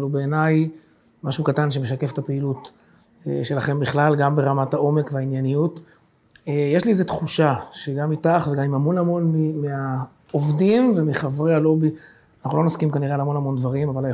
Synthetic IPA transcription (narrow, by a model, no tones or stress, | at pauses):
lubeːnaj | maʃukatanʃ̬emeʃake̞ft̪apeilut | ḛʃe̞laχe̞mbiχlalɡambe̞ʁamatao̞me̞kveainjanijut | ejeʃliezet̪χuʃaʃeɡamːitaχveɡamimamo̞namo̞nmimia | ovdimvemiχavʁealo̞bi | anaχnulo̞noskimkaniʁeleamo̞nhamo̞ndvaʁimavalaj